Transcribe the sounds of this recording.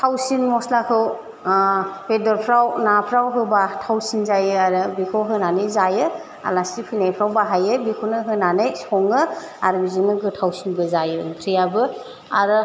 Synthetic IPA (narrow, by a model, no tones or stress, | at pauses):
tʰawsinmɔslakʰɯw | bedɔɾpʰɾawnapʰɾawɦɯbatʰawsinzajɯaɾɯbikʰowɦɯnanɯjzajɯ | a̰lasipʰɯnajpʰɾawbaɦajɯbikʰownɯɦɯnanɯjsɔŋɯ | aɾbizɯnɯɡɯtʰawsinbɯzajɯɯŋkʰɾijabɯ | aɾɯ